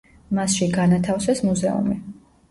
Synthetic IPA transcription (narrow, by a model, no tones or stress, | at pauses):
masʃiɡanat̪ʰafsɛsmuzɛṵmi